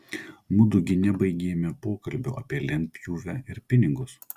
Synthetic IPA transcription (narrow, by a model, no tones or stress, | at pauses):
mʊd̪ʊɡʲɪnʲɛbɐɪɡʲeːmʲɛpoːkɐlʲbʲʊʔɐpʲiɛlʲɛnʲp̪ʲjuːʋʲæːɪɾpʲɪnʲɪɡʊs